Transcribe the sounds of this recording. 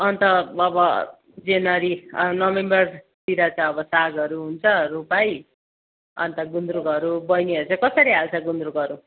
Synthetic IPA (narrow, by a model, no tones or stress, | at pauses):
ʌnt̪ʌʌbʌ | d͡zenʌɾinʌmembʌr | t̪iɾat͡saj̃ʌbʌsaɡʌɾuɦunt͡sʰʌɾupaj | ʌ̰nt̪ʌɡund̪ɾukʌɾubʌjniʌɾut͡sãĩkʌsʌɾiɦalt͡sʰʌɡund̪ɾukʌɾu